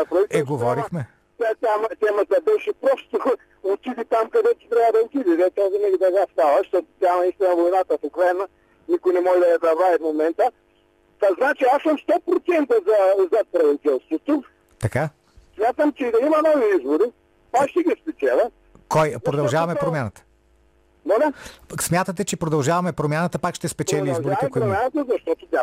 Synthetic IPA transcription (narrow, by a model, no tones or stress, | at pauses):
ɐpɾɐitɛɡuvɔɾikmɛ | t̪ɛt̪amɐt̪ɛmɐzɐbɛʃipɾɔst̪u | ut̪iðit̪amkɐðɛt͡ʃ̪it̪ɾɛad̪ɐlk̪iðiðɛt̪ɛzɐnɛɣðɐɣast̪alˠɐʃt̪ɔt̪amɐiʃt̪ɛmɐvuinat̪ɐfukɾɛnɐ | nikunimɔd̪ɛɐd̪ɐβajd̪mumẽnt̪a | t̪aznat͡ʃiaʃsomʃt̪ɔpɾut̪sẽnt̪ɐzɐzɐpɾɐvit̪ɛlˠst̪vot̪o | t̪ɐka | smʲjat̪əmt͡ʃɛd̪ɐimɐnɔviizboɾi | aʃt̪ɛɡispɛt͡ʃɛlˠə | kɔj̪pɾod̪ɐlˠʒavɐmɛpɾomʲjanət̪ə̥ | d̪onɛsmʲjat̪ət̪ɛt͡ʃɛpɾod̪ɐlˠʒavɐmɛpɾomʲjanət̪əpakʃt̪ɛspɛt͡ʃɛlʲiizboɾiɛkoiɾomjanɐt̪əzɐʃt̪ɔt̪ʊt̪ʲja